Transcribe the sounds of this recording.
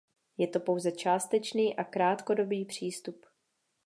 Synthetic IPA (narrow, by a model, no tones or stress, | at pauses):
jɛt̪o̞po̞wzɛt͡ʃaːst̪ɛt͡ʃniːʔakɾaːt̪ko̞do̞biːpr̝̥iːst̪up